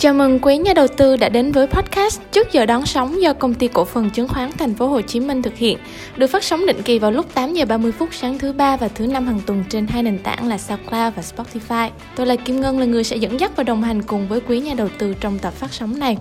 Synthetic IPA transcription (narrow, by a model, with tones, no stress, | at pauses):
t͡ɕaː˧˩mɨ˨˩ŋkwi˨˦ɲaː˧˩ɗə˨˩wt̪ɨ˧ɗa̰ː˧˥ɗe˨˦nvəː˨˦jpʰɔ˦˥t̚ka˦˥stt͡ɕɨ˦˥ək̚zəː˨˩ɗɔ˨˦nsɔ˨˦wŋ͡mzɔ˧kə˧wŋ͡mt̪i˧ko̰˧˥fə˨˩nt͡ɕɨ˨˦əŋxwaː˨˦nt̪ʰɛ˨˩jŋ̟fo˨˦ɦo˨˩t͡ɕi˨˦mï˧ŋ̟t̪ʰɨ˨˩k̚hḭ˧˨ən | ɗɨ˨˩ək̚faː˦˥t̚sa˨˦ŋ͡mɗḭ˧˨ŋ̟ki˨˩vaː˨˩wlʊ˦˥k͡p̚t̪aː˨˦mzəː˨˩ɓaː˧mɨ˧əjfʊ˦˥t̚saː˨˦ŋt̪ʰɨ˨˦ɓaː˧vaː˨˩t̪ʰɨ˨˦na˧mhaː˨˩ŋt̪wə˨˩nt͡ɕe˧nhaː˧jne˨˩ŋt̪a̰ː˧˩ŋlaː˨˩saː˧klaː˧vaː˨˩spɔ˦˥t̚t̪i˧faː˧j | t̪o˧jla̰ː˧˨˩jki˧mŋəː˧nlaː˨˩ŋɨ˨˩əjsɛ̰˧˥zə̰˧˥nza˦˥t̚vaː˨˩wɗə˨˩wŋ͡mɦa˨˩jŋ̟kʊ˨˩ŋ͡mvəː˨˦jkwi˨˦ɲaː˧ɗə˨˩wt̪ɨ˧t͡ɕɔ˧wŋ͡mt̪ə˨˩p̚faː˦˥sɔ˨˦wŋ͡mna˨˩j